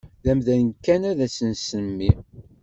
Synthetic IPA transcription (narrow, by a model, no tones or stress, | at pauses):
ðæmðænkːænæðæsənsəmːi